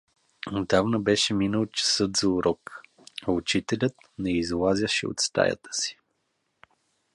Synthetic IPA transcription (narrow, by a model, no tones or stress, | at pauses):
od̪avnəbɛʃɛminəlˠt͡ʃə̥sɤt̪zɐuɾɔk | aʊt͡ʃit̪ɛlʲət̪ | nɛizlˠazʲəʃɛ̰o̰t̪st̪a̰jə̰t̪ə̥si̥